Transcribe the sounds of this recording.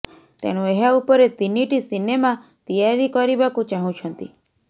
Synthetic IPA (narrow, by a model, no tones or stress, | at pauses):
t̪ḛɽ̃ũeɦaupɔɾet̪iniʈisinemat̪ijaɾikɔɾibakut͡ʃaɦũt͡ʃʰɔnt̪i